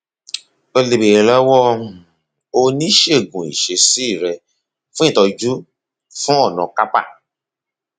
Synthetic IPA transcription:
o˧le˨be˨lɛ˦wɔ˦˨ | o˧nĩ˦ʃe˦˨ɡũ˨ḭ˨ʃe˧˦si˦˨ɾɛ˧ | fũ˦ĩ˦˨tɔ˧d͡ʒu˦ | fũ˦ɔ˦˨nɔ̃˨˧ka˦pa̰˦˨

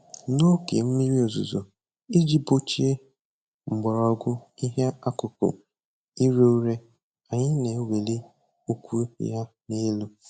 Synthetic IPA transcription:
no˦kḛ˨m̩˦mi˦ɾi˦o˨zṵ˨zo˨ | i˦d͡ʒi˦bo˦t͡ʃi˦e˦ | ŋ͡m̩˨ɡ͡bɔ˨ɾɔ˨˦ɡʷʊ˦i˦ɦe˦a˦kʊ˨kʊ̰˨ | i˦ɾe˦u˦ɾe˦ | a˨ɲɪ˦ne˨we˨le˦ | o˦kʷu˦ja˦ | ne˦lu˦

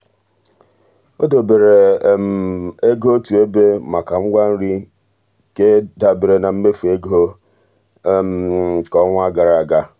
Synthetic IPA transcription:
o˦do˨be˨ɾe˨m̩˨e˦ɡo˦tu˨e˦be˦ma˨ka˨ŋ͡m̩˦ɡʷa˦n̩˦ɾi˦ | ke˦da˨be˨ɾe˨na˨m̩˦me˦fu˨e˦ɡo˦˨ | m˦kɔ˦ŋʷ˦a˦ɡa˨ɾa˨a˨ɡa˦

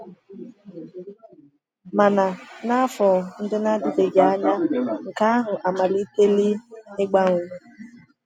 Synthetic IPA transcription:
ma˨na˨na˦a˦fɔ˨n̩˦dɪ˦na˦dɪ˨de˨ɡa˨a˦ɲa˦ŋ̩˨ka˦ɦʊ˨ʔa˨ma˨li˦te˦li˦ɪ˦ɡ͡ba˦ŋʷu˨˦

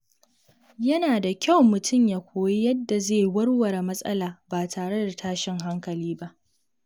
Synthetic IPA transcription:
jɐ˦naː˨da˨kʲa˦˨wmʊ˨tʊ˦˨mjaː˨kʷʰoː˨ji˦jɐ˦dːa˨zeː˦˨wɐ˦ɽwɐ˨ɾa˨mɐ˦sʼɐ̰˦laː˨baː˨tʰaː˨ɽe˦da˨tʰaː˦ʃɪ˦ŋɦa˦ŋkɐ˨liː˦ba˦ʔ

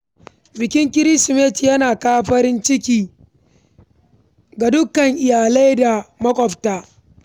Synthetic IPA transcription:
bɪ˨kʲɪ˦ŋkʲɪ˦ɾɪ˦sɪ˨meː˦ti˨jɐ˦naː˨kaː˦ɸɐ˦ɾɪ˦nt͡ʃɪ˦kʲiː˨ | ɡa˨dʊ˦kːɐ˨ŋʔɪ˨jaː˨la˦jda˨mɐ˦kʷʼɔ˨ɸtaː˦

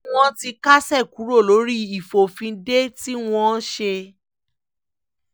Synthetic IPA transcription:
w̃ɔ̃˦ti˧ka˦sɛ˦˨ku˨˦ɾo˦˨lo˨˦ɾi˦i˨fo˨fĩ˧de˦ti˦w̃ɔ̃˦ʃe˧

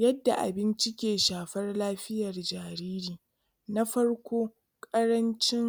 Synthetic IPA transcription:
jɐ˦dːa˨ʔa̰˨bɪ˦nt͡ʃɪ˦kʲeː˨ʃaː˨ɸɐ˦rlaː˦ɸɪ˦jɐ˨rd͡ʒaː˨ɾiː˦ɾiː˨ | na˦ɸɐ˦ɽkʷoː˦ | kʼɐ˦ɽɐ˦nt͡ʃɪ˦ŋ

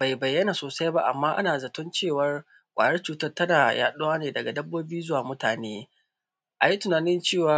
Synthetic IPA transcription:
b̥a˨jbɐ˨jːɐ˦na˨soː˨sa˦jba˦ʔa̰˨mːaː˦ʔa̰˦naː˨zɐ˨tʊ˦nt͡ʃeː˦˨wɐ˦r | kʷʼaː˨jɐ˦rt͡ʃuː˨tɐ˦rtɐ˦naː˨ja̰ː˦ɗʊ˦waː˦neː˨dɐ˨ɡa˨dɐ˦bːoː˦biː˦zʊ˦waː˨mʊ˦taː˨neː˦ | ʔa˨ji˦tʊ˨naː˨nɪ˦nt͡ʃeː˦˨waː˦

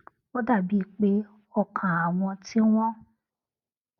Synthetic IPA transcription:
o˦da˦˨bi˦˨k͡pe˦ | ɔ˦˨kʰã˨a˨w̃ɔ̃˧ti˦w̃ɔ̃˦

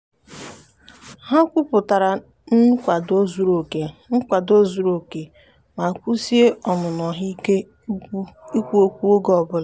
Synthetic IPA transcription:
ha˦kʷʊ˦pʊ˨ta˨ɾa˨ | n̩˦kʷa˨do˦zu˨ɾo˨ke˨ŋ̩˦kʷa˨do˦zu˨ɾo˨ke˨ | ma˨kʷu˦si˦e˦ɔ˨mʊ˨nɔ˨ɦi˦ke˦ | i˦kʷu˦o˦kʷu˦o˦ɡɔ˨bʊ˦la˨

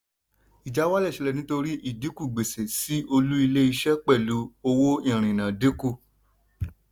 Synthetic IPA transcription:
i˨d͡ʒa˨˦wa˦lɛ˦˨ʃɛ˨˧lɛ˦˨nĩ˦to˧ɾi˦ʔi˦˨di˨˦ku˦˨ɡ͡be˨se˨si˦o˧lu˦i˧le˦i˧ʃɛ˦k͡pɛ˦˨lu˨˦o˧wo˦ĩ˦˨ɾ̃ĩ˨nã˨de˨˦ku˦˨

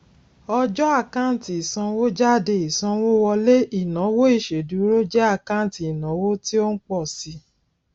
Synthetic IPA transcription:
ɔ˧d͡ʒɔ˦a˦˨kã˦˨ti˨i˨sã˧wo˦d͡ʒa˦˨de˧i˨sã˧wo˦wɔ˧le˦i˦˨nã˨˦wo˦i˦˨ʃe˨du˨˦ɾo˦d͡ʒɛ˦a˦˨kã˦˨ti˨i˨nã˨˦wo˦ti˦o˦n̩˦k͡pɔ˦˨si˧˦

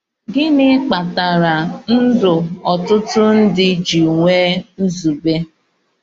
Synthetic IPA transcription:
ɡɪ˦nɪ˦k͡pa˨ta˨ɾa˨n̩˦dʊ˨ɔ˨tʊ˦tʊ˦n̩˦dɪ˦d͡ʒi˨ŋʷe˦n̩˦zu˨be˦

